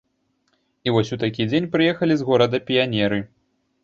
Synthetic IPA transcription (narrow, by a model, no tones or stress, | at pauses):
ivɔsʲut̪akʲid͡zʲenʲpɾɨjɛxɐlʲizɣɔɾɐd̪ɐpʲijanʲɛɾɨ